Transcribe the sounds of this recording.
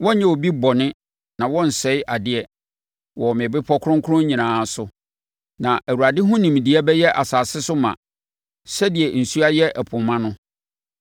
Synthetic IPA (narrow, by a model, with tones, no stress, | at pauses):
wɔ̃˦ɲɛ̃˦˨wo˨bi˦bɔ˨nɪ̃˦ | nã˨wɔ̃˦n̩˨sɛ˨˦ɪ˦ʔa˨dɪ˦ɛ˦ | wɔ˨mɪ̃˨bɪ˦pʰɔ˦kʰʊ˦ɾʊ̃˦ŋ˦kʰʊ˦ɾʊ̃˦ɲĩ˨nãː˨˦sʊ˨ | nã˨ʔæ˨wu˨ɾa˨dɪ˦ɦʊ̃˦nĩ˨m˨di˨˦a˦bɛ˦jɛ˦ʔa˨saː˨sɪ˦sʊ˦mã̰˨ | sɛ˦di˨ɛ˨n̩˨su˦a˦jɛ˦ʔɛ˨pʰʊ̃˨mːã˦nʊ̃˦